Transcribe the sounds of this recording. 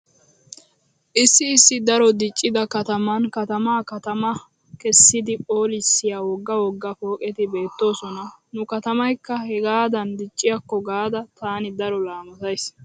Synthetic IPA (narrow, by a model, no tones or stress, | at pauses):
ʔɪsːɪːsːɪd̪ɐɾɔd̪ɪt͡ʃʼːɪd̪ɐkɐt̪ɐmɐnkɐt̪ɐmaːkɐt̪ɐmɐ | kɛsːɪd̪ɪpʼo̞ːlɪsːɪjawɔɡːɐwɔɡːɐfo̞ːkʼɛt̪ɪbe̞ːt̪ːo̞ːsɔnɐnʊkɐt̪ɐmɐjkːɐhɛɡaːd̪ɐnd̪ɪt͡ʃʼːɪjɐkːɔɡaːd̪ɐt̪aːnɪd̪ɐɾɔlaːmɐt̪ɐjs